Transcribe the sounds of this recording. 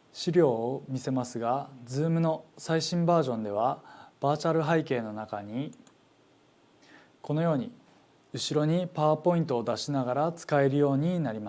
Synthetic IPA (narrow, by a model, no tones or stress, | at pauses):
ɕiɾʲo̞ːmʲise̞masɨɡad͡zɨːmɯ̟no̞saiɕĩmbaːʑõ̞nd̪e̞β̞ab̥aːt͡ɕaɾɯ̟ɦaike̞ːno̞nakaɲ̟i | ko̞no̞jo̞ːɲ̟i | ɯ̟ɕiɾo̞ɲ̟ipaβapo̞ĩnt̪o̞ːd̪aɕinaɡaɾat͡sɨ̥kae̞ɾɯ̟jo̞ːɲ̟inaɾʲimas